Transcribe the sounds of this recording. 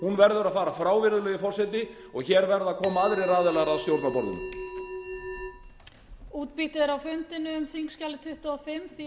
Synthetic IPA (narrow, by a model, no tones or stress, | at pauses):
hunvɛɾðʏɾaðfaːɾafɾaːwvɪɾðʏlœːɣɪfɔrsɛt̪nɪ | ɔɣçɛːɾvɛɾðaðkʰɔːmaaðɾɪjraːðɪlaɣɾaðst̪jowɾt̪napɔɾðʏ̰n | uːt̪piht̪ɪðɾawfʏnt̪ɪnːʏːmθiŋkscaːlɪt̪ʰʏht̪ʏɔfɪmθ